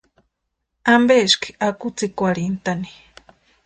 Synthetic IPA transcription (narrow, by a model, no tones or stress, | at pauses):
ambeʃki̥akʊt͡sikwaɾint̪ani̥